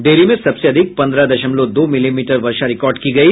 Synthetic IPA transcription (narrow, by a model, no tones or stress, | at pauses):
ɖeːɾimẽsɐbseɐd̪ʱɪk̚pɐ̃nd̪ɾad̪ɐʃəmlod̪oːmɪlimiːʈəɾʋɐɾʃaɾɪkɔːɾɖkiɡɐi